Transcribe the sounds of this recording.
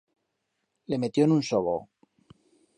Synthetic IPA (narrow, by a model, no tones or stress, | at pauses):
le̞me̞t̪jo̞enunsoβo̰